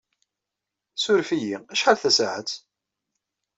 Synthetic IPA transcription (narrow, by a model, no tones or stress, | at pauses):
sʊɾfijiæʃħalθæsaʕət͡s̪